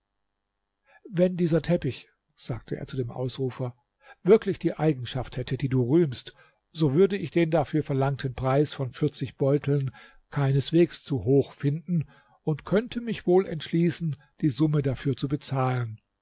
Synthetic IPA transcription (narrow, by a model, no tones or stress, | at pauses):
vɛndiːzɐtʰɛpɪç | z̥aːk̚tʰəʔḛːɐt͡sudeːmʔa̰ʊsʁuːfɐ | v̥ɪɐklɪçd̥iːʔaɪɡŋ̩ʃafthɛtʰədiːduːʁyːmst | z̥oːvʏɐdəɪçd̥eːndafyːɐfɛɐlaŋtʰənpʁ̥aɪsfɔnfɪɐt͡sɪçb̥ɔʏtʰl̩n | kʰaɪnəsv̥eːkst͡suɦoːxfɪndn̩ | ʊntkʰœntʰəmɪçv̥oːlɛ̰ntʃliːsn̩ | d̥iːzʊmədafyːɐt͡subət͡saːlən